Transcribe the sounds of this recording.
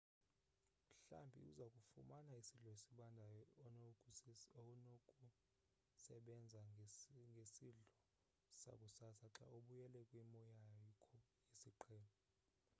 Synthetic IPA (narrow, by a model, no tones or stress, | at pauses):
m̩ɬa̰mbʱḭṵzakʼufumanaisiɮɔesiɓandʱaj | kʼu | sɛɓɛnd͡zʱaŋɡʱesiɮɔ | sa̰kʼusasaǁa̰oɓujɛlɛkʼwimɔjakʰɔ | isiǃʰɛːnɔ